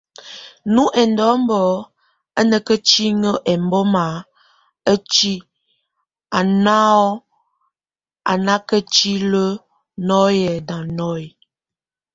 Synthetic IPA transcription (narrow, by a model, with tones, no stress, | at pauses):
nu˦ʔɛ˨n˦dɔ˨˦m̩˦bɔ˨˦ | ə˦nə˨kə˦t͡ʃi˦ŋə˦ʔɛ˨m˦bɔ˦ma˨ | ə˦t͡ʃi˦ | a˨na˦ɔ˦ | a̰˨na˦kə˦t͡ʃi˦lə˦ | nɔ˦jɛ˨dã˨nɔ˦j